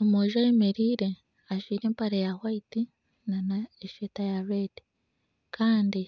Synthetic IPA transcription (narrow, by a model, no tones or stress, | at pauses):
omoʒawemeɾiːɾe̞ | aʃwiːɾe̞ːmpaɾajahwaiti | nanaeʃetajaɾedi̥ | kʰaːndi